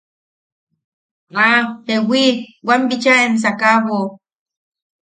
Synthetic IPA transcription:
apewʷiwʷambit͡ʃaens̬akaβo

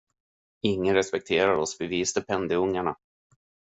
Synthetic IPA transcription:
ɪŋːənɾɛspɛk̚t̪ʰeːɾaɾɔsbɛviːsd̪əpʰɛnd̪ɛɵŋːaɳa

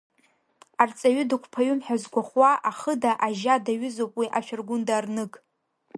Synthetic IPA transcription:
art͡sʼaɥʏdakʷʰpʰaɥʊmħᶣazɡʷaχwaʔaχədaʔaʒadaɥʊzowpʼwiʔaʃᶣarɡʷʊndarnɨkʼ

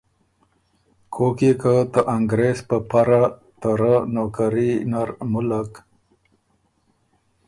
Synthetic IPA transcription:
kʰokikət̪əʔaŋɡɾespəpaɾa | t̪əɾənokaɾinaɾmulək

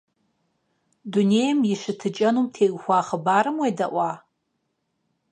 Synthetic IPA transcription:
dunejmjiʂɨtʰɨt͡ʃʼɐnumtʰeɡxʷaχəbaːɾɨmwejdaʔʷa

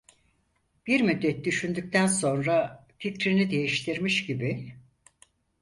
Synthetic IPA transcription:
b̥iɾmyd̪ːɛt̪̚d̪yʃynd̪yc̚ʲt̪ʰænso̞nɾaficɾinid̪e̞jiʃt̪ʰiɾmiʃɟibi

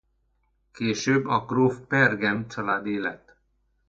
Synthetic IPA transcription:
keːʃøːbːɒkroːfpɛrɡɛnt͡ʃɒlaːd̪eːlɛt̪

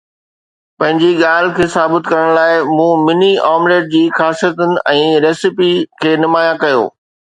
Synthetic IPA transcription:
pɐ̃ɦɪ̃ɲd͡ʑiɠaːl̤kʰeːsaːbɪt̪kɐɾəɽ̃laːɪmũːmɪniaːmɾeːɖ̚d͡ʑiːxaːsijət̪ʊnɪ̆ʔɛ̃ːɾeːsɪpikʰeːnʊmaːjakɐjo̰ː

